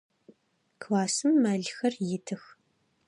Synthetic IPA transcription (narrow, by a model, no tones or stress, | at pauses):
kʰlaːsɨmːaːɮxɐrjɪtʰɨx